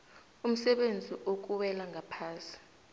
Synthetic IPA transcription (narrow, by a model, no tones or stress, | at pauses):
um̩sɛɓend͡zʱiʔok̬uwɛlaŋɡʱapʰaːsi̥